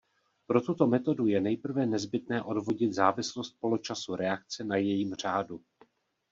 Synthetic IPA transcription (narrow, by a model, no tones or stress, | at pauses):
pɾo̞t̪ut̪o̞mɛt̪o̞dujɛnɛjpr̩vɛnɛzbɪt̪nɛːʔo̞dvo̞ɟɪt̪zaːvɪslost̪̚po̞lot͡ʃasuɾɛak̚t͡sɛnajɛjiːmr̝̥aːdu